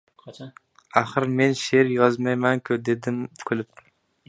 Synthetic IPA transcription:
aχɨɾme̞nʃe̞ɾjɒzmajmankʲʰʊd̪ed̪ɪmkʰolˠɪp̚

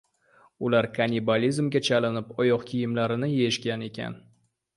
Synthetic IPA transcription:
ʊlaɾkʰanʲibalʲizmɡʲat͡ʃʰalɪnɪpɒjɒqkʲʰijɪmlaɾɪnɪje̞ʃɡʲane̞kʲʰa̰n

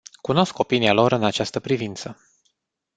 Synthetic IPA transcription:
kuno̞sko̞pinialo̞ɾɨnat͡ʃast̪əpɾivint̪sə

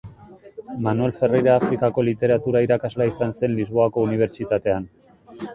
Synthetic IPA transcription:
manue̞lfe̞rejɾaːfɾikako̞lit̪e̞ɾat̪uɾaiɾakazlaisanse̞nlizβo̞ako̞uniβ̞e̞ɾt͡ʃit̪at̪e̞an

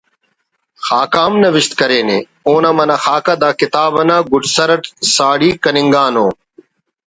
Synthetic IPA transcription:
xaːkaːmnɐʋɪʃt̪kɐɾeːnḛː | oːnãːmɐnaːxaːkad̪aːkɪt̪aːʋɐnãːɡʊʈʰsəɾəʈsaːɽiːkɐnɪŋɡaːnoː

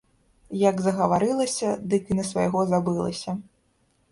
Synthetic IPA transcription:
jɐɡzɐɣɐvaɾɨlˠɐsʲɐd̪ɨkinɐsva̰jɣɔzabɨlˠɐ̰sʲɐ

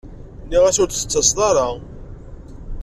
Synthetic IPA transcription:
nːiʁæsʊɾθə̥t͡sːəsðˤɑɾˤɑ

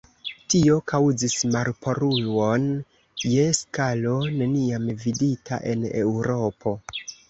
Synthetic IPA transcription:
tio̞kawzismaɾpʰo̞ɾujwo̞n | je̞skalo̞ne̞niamviditʰa̰ʔe̞̰ne̞̰wɾo̞po̞

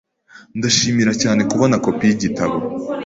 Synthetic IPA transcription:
ndaʃiːmiɾacaːne̞kuβonako̞pijiɟitaβo

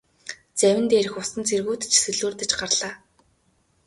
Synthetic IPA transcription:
t͡sæwʲɪ̆nt̪eːɾɘ̆xʊsə̆nt͡sʰerɣuːt̪t͡ɕʰsɵɮuːrt̪ɘ̆t͡ɕɢarɮ̥aː

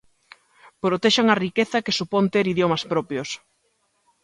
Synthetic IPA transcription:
pɾot̪eʃaŋɐrikeθɐkɪsupont̪eɾiðjomɐspɾɔpjos

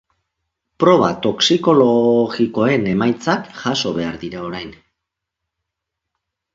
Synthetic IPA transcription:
pɾo̞β̞at̪o̞ksiko̞loɣiko̞e̞ne̞majt͡sakʝaso̞βe̞aɾðiɾao̞ɾajn

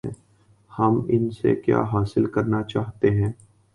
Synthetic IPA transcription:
hɐmɪnsḛkja̰ːɦaːsɪlkɐɾnat͡ʃaːɦt̪eɦɛ̃ː

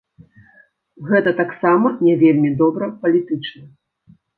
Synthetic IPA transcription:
ɣɛt̪ɐt̪aksamɐnʲɛvʲelʲmʲid̪ɔbɾɐpɐlʲit̪ɨt͡ʂnɐ

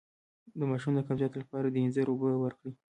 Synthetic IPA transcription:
d̪əmɑʃumd̪əkafjɑt̪olapɑɾad̪əinzəɾobəwəɾkɽi

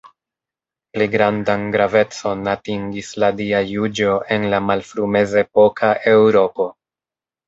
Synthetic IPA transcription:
pliɡɾandanɡɾave̞t͡so̞natiŋɡisladiajud͡ʒo̞ʔe̞nlamalfɾume̞zepo̞kʰaʔe̞wɾo̞po̞

